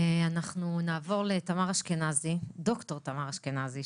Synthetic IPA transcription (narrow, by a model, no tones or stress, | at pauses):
anaχnunaːvo̞ʁletamaʁaʃkenazido̞kto̞ʁt̪amaʁaʃkenazi